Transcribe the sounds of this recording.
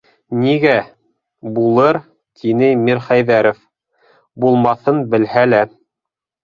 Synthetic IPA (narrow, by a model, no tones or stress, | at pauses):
niɡæ | bulˠɤɾ | t̪ʰinɘmiɾχæjðæɾof | bulˠmɑθɤnbɘ̆lhælæ